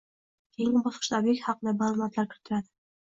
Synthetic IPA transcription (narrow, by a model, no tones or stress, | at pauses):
kiŋɘbɒsqɤ̥̆ʃt̪ɑbikχɑqlˠɤmɑlˠɤ̆mɑt̪lˠɑɾkɵ̆ɾt̪ɘ̆ɾæðɘ